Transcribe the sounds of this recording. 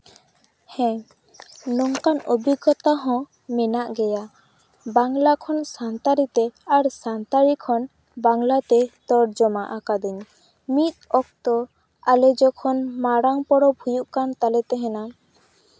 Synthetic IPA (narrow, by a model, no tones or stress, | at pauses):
hɛ̃ | nɔŋkanobiɡɔt̪aɦɔ̃ | mɛnaʔɡɛja | baŋlakʰɔnsant̪aɾit̪ɛaɾsant̪aɾikʰɔn | baŋlat̪ɛt̪ɔɾd͡ʒɔmaʔakad̪ɔɲ | mit̪̚ɔk̚t̪ɔ | alɛd͡ʒɔkʰɔnmaɽaŋpɔɽɔbʱujuʔkant̪alɛt̪ɛɦɛ̃na